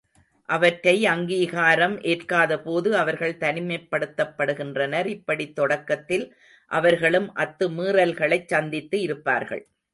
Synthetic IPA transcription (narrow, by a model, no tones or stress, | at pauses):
ʔɐʋɐʈrɐɪɐŋɡiːɣaːɾɐmʔeːrkaːðɐpoːðɯɐʋɐɾɣɐɭt̪ɐnɪmɐɪpːɐɽɯt̪ːɐpːɐɽɯɣɪndrɐnɐɾɪpːɐɽit̪ːɔɽɐkːɐt̪ːɪl | ʔɐʋɐɾɣɐɭɯmʔɐt̪ːɯmiːrɐlɣɐɭɐɪt͡ʃːɐnd̪ɪt̪ːɯɪɾɯpːa̰ːɾɣɐ̰ɭ